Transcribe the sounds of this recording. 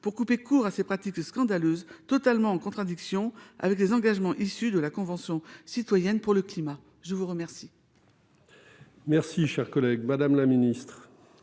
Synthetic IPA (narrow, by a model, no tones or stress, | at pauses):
puʁkupekuʁasepχat̪ikskɑ̃d̪aløzt̪ɔt̪almɑ̃ɑ̃kɔ̃t̪χad̪iksjɔ̃a̰vɛklezɑ̃ɡaʒmɑ̃ʔisyd̪əlakɔ̃vɑ̃sjɔ̃sit̪wajɛnpuʁləklima | ʒəvuʁəmɛʁsi | mɛʁsiʃɛʁkɔlɛɡmad̪amlaminist̪χ